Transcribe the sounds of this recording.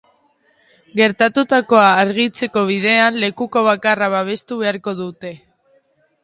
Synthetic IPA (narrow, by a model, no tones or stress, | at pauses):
ɡe̞ɾt̪at̪ut̪ako̞aːɾɣit͡se̞ko̞β̞ið̞e̞anle̞kuko̞β̞akaraβaβ̞e̞st̪uβe̞aɾko̞ðut̪e̞